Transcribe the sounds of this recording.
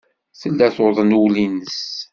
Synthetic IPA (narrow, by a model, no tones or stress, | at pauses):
θəlːæθoðˤənwlinəs